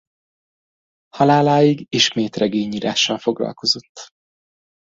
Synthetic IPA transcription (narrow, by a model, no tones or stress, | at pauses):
hɒlaːlaːjiɡiʃmeːt̪rɛɡeːɲiːɾa̰ːʃːɒlfo̞ɡlɒ̰lko̞zo̞t̪ː